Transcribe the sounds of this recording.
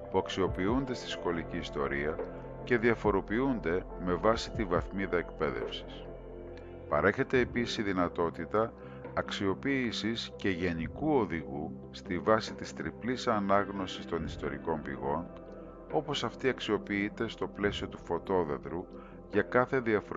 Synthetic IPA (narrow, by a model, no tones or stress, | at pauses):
puɐksio̞piund̪e̞st̪i̥sko̞liciːst̪o̞ɾiɐ | ce̞ðiɐfo̞ɾo̞piund̪e̞ | me̞vɐsi̥t̪ivɐθmiðɐekpe̞ðe̞̰fsi̥s | pɐɾe̞çe̞t̪e̞ːpisisiðinɐt̪o̞t̪it̪ɐː | ksio̞piːsisce̞ʝe̞nikuo̞ðiɣu | st̪ivɐsit̪ist̪ɾiplisɐnɐɣno̞sist̪o̞nist̪o̞ɾḭko̞mbḭɣo̞n | o̞po̞sɐft̪iɐksio̞piit̪e̞st̪o̞ple̞sio̞t̪u̥fo̞t̪o̞ðeðɾu | ʝɐkɐθe̞ðiɐf